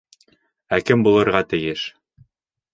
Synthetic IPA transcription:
ækɘmbulˠɤ̆ɾʁɑt̪ɘ̆jɘʃ

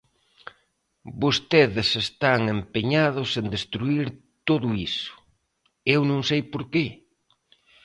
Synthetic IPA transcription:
bost̪eðɪsest̪aŋempeɲað̞ʊsend̪est̪ɾuiɾ | t̪oðʊisʊ̥ | ewnõŋsejpoɾke

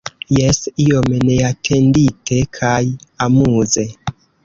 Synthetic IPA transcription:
jesio̞mne̞atʰe̞nditʰe̞kʰajamuze̞

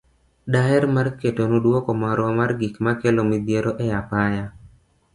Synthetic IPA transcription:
daɛɾmarketonudwɔkɔmaɾwɔmarɡikmakelomid̪jeɾoʔɛjapaja

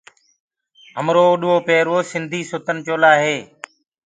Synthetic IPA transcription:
ɦəmɾoːɗʊoːpeːɾoːsɪnd̪ʱiːsʊt̪ənt͡ʃoːlaːɦeː

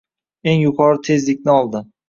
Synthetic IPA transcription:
e̞ŋjʊqʰɒɾɪt̪ʰe̞zlɪk̚ʲnɪɒlˠd̪ɪ

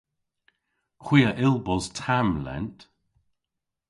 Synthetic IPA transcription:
kʰw̥iːəʔɪlˠbɔztʰamlɛ̰nt

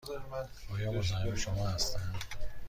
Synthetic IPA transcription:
zɾm | ɒːjɒːozæneʃomɒːhæst̪ænd̪̥

